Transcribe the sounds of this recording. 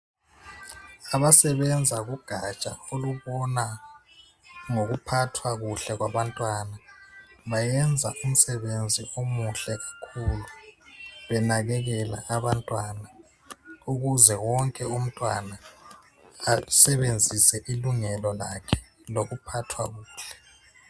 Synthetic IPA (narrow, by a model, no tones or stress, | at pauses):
aβasɛβɛnd͡zʱaɣuɡ̥ʱat͡ʃʼaoluβɔna | ŋoɣupʰatʰwaɣuɬɛɣwaβantʼwanaβajɛnd͡zʱaʔum̩sɛβend͡zʱiomuɬɛɣakʰulu | βɛnaɣɛɣɛla̰ʔaβantʼwana | uɣuzɛwɔŋkʼɛum̩tʼwanaː | sɛβend͡zʱisɛʔiluŋɛlɔla̰kʰɛ̥ | loɣupʰatʰwaɣuːɬɛ̥